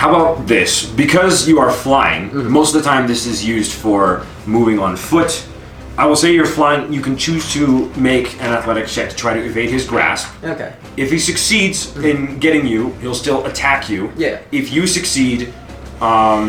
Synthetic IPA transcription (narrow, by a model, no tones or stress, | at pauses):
haʊəbaʊt̪̚ðɪsbɨkʰʌzjɨə˞flaɪɪ̰̃ŋmoʊstʌvðətʰãɪ̃mðɪsɨzjʉzd̥fə˞ | muvɪ̃ŋə̃nfʊt | ʔaɪwəlˠseɪjə˞flaɪɪ̃ŋjɨkɨ̃n̩t͡ʃʰʉz̥tʰɨmeɪkʰɨ̃ñəθlɛɾɨkʃɛtʰɨ̥tʰɹ̥aɪɾɨɨveɪd̚ɨzɡɹæ̰sp̚o | ɨfhisɨksidzɪ̃nɡɛɾɪ̃ŋjʉhilˠstɪlˠətʰækʰjʉɪfjɨsɨksid